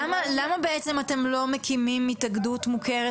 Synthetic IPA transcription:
amalamabe̞ʔett͡se̞mate̞mlo̞mekimimːitaɡdutmuke̞ʁe

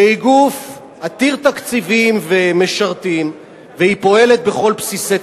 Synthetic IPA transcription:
eiɡuf | at̪iʁt̪akt͡sivimveme̞ʃaʁt̪im | vehipo̞e̞le̞t̪̚beχo̞lpsise

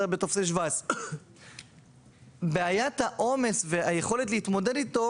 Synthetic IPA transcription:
betofseʃ̬vas | beajathaʔo̞me̞sveajeχo̞let̬lehit̪mo̞dedit̪o̞

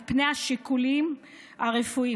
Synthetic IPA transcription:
pnejaʃikulim | aʁefui

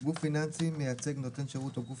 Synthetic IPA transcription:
ɡufːinansimejat͡seɡnot̪enʃeʁut̪oɡuf

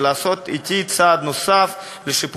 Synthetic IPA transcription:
laːso̞t̪it̪it͡saːd̪no̞saf | leʃip

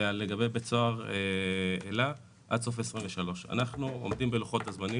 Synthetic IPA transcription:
aleɡabebet͡so̞aʁeela | ʔa̰dso̞fesʁimveʃalo̞ʃa̰naχnuo̰mdimbeluχo̞t̪azmani

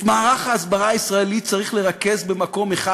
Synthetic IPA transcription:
maːʁaχaːsbaʁaisʁaelit͡saʁiχle̞ʁake̞zbe̞mako̞meχa

